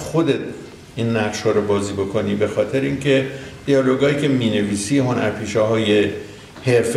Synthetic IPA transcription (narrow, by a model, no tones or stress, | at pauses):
xod̪et̪̚ʰ | ʔiːnːæʁʃhɒːɾobɒːziːbo̞kʰo̞nibe̞xɒːt̪ʰe̞ɾeiːŋcʰe̞d̪̥ijɒːlo̞ɡɒːiːcʲʰe̞miːne̞viːsiɦo̞næ̰ɾpʰiːʃɒːɦɒːje̞ | he̞ɾf